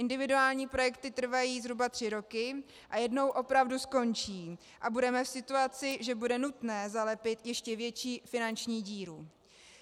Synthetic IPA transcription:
ʔɪndɪvɪduaːlɲiːpɾo̞jɛkt̪ɪt̪r̩vajiːzɦɾubat̪r̥ɪɾo̞kɪ | ʔajɛdno̞wʔo̞pɾavdusko̞nt͡ʃiː | ʔabudɛmɛfsɪt̪uat͡sɪʒɛbudɛnut̪nɛːzalɛpɪt̪jɛʃcɛvjɛt͡ʃiːfɪnant͡ʃɲiːɟiːɾu

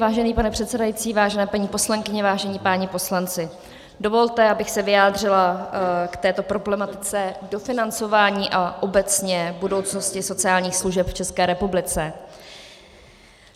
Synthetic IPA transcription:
vaːʒɛniːpanɛpr̥ɛt̪sɛdajit͡siːvaːʒɛnɛːpaɲiːpo̞slaŋkɪɲɛvaːʒɛɲiːpaːɲɪpo̞slant͡sɪ | do̞vo̞lt̪ɛabɪxsɛvɪjaːd̪r̝ɪlakt̪ɛːt̪o̞pɾo̞blɛmat̪ɪ̥t͡sɛdo̞fɪnant͡so̞vaːɲiːʔaʔo̞bɛt͡sɲɛbudo̞wt͡sno̞scɪso̞t͡sɪaːlɲiːxsluʒɛpft͡ʃɛskɛːɾɛpublɪt͡sɛ

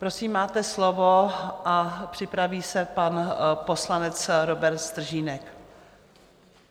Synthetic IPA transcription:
pɾo̞siːmːaːt̪ɛslovo̞ʔapr̝̥ɪpɾaviːsɛpanpo̞slanɛt͡sɾo̞bɛɾt̪st̪r̩ʒiːnɛk

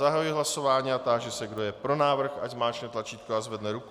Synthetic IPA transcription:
aɦajuɪɦlaso̞vaːɲiːat̪aːʒɛsɛɡdo̞jɛpɾo̞naːvr̩xaczmaːt͡ʃnɛt̪lat͡ʃiːt̪̚koazvɛdnɛɾuku

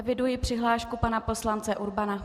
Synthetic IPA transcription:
vɪdujɪpr̝̥ɪɦlaːʃkupanapo̞slant͡sɛʔuɾbana

